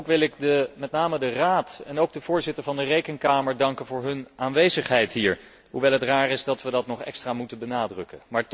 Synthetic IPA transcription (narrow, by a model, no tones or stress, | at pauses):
kʋɪlɪk̚dəmɛtnaːmədəraːtɛnowɡ̚dəvʊːɹzɪtəɹvɑndərejkənkaːməɹdɑŋkənvʊːɹɦɵnʔaːnʋejzəχɦɛjtɦiːɹ | ɦuʋɛjlˠɦətraːrɪzdɑtʋədɑtnɔχɛ̰kstraːmutənbənaːdrɵkəmaːɹt